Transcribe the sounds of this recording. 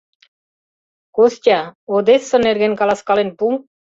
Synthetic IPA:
kost̪ʲaod̪esːəneɾɡenkalaskalenpu

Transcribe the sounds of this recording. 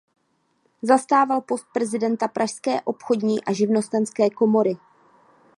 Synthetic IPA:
zast̪aːvalpo̞st̪̚pɾɛzɪdɛnt̪apɾʔaʃskɛːʔo̞pxo̞dɲiːʔaʒɪvno̞st̪ɛnskɛːko̞mo̞ɾɪ

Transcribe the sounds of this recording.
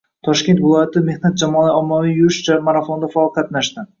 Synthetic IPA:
t̪ʰɒʃkʲe̞nt̪vɪlˠɒjat̪ʰɪme̞hnat̪̚d͡ʒamɒlaɒmːavijjʊɾɪʃt͡ʃʰamaɾafond̪afaɒlˠqʰɑt̪naʃt̪ɪ

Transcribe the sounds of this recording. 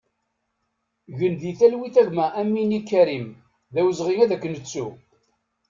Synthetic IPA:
ʝənðiθælwiθæʝmæʔæmːinikːæɾim | ðæwəzʁiŋæðækːənət͡sːu

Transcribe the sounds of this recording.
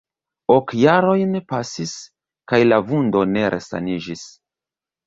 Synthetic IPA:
okjaɾo̞jnpasis | kajlavundo̞ne̞ɾʔe̞̰sa̰nid͡ʒis

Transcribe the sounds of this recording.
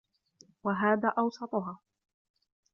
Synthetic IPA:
waɦaːðaːʔɑwsˤɑt̪ˤʊɦɑː

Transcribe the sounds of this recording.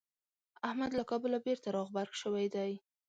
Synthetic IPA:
ahmad̪lakɑbʊlabeɾt̪aɾɑɣbaɾɡʃəwajd̪aj

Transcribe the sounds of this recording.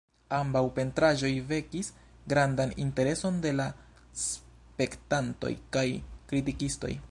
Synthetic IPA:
ambawpe̞ntɾaʒo̞jve̞kis | ɡɾandanḭnte̞ɾe̞so̞nde̞la | s | pe̞ktanto̞̰jkajkɾitikisto̞̰j

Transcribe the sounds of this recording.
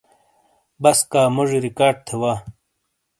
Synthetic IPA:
bɐskaːmuʐɾikaːɾɖ̚t̪ʰewaː

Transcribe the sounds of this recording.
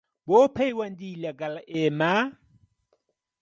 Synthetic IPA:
bopʰaiwandilaɡalaʔɛːma

